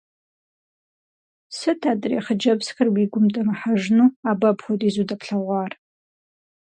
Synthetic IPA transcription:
sɨtʰadrḛχəd͡ʒɐbskʰɨrwiɡʷʊmdʼamaħaʐnuabɐpχʷotʼizudapʰɬaʁʷar

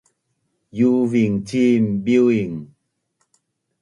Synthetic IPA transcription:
juviŋt͡ɕim̩biwiŋ

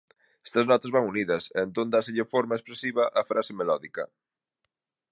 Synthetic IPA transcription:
e̥st̪ɐznɔt̪ɐzβaŋuniðɐsend̪ond̪aseʎefoɾmaespɾesiβɐʔɐfɾʔasemelɔðikɐ

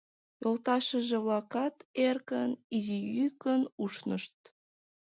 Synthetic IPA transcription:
jolt̪ɑʃəʒĕβlɑkɑt̪erkənizijykənuʃnəʃt̪̚

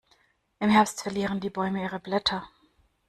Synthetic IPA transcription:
ʔɪmhɛɐpstfɛɐliːʁəndiːbɔʏməiːʁəblɛtʰɐ

